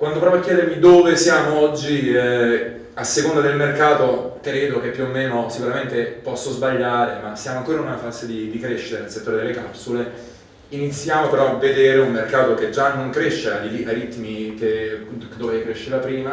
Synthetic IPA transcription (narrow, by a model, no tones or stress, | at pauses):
kwand̪opɾɔpjakːjɛːd̪eɾmid̪oːvesjaːmoɔd͡ʒːi | asːekond̪ad̪elmerkaːt̪okɾeːd̪ok̟epːjuomːeːnosikuɾament̪epɔsːozbaʎːaːɾemasːjaːmoaŋkoːɾanunafaːzed̪id̪ikɾeʃːiɾenelset̪ːoːɾed̪elːekapsule | init̪sːjaːmopeɾɔavːed̪eːɾeumːerkaːt̪oked͡ʒːanːoŋkɾeʃːeaiajɾit̪ːmiked̪ovekɾeʃːeːvapɾiːma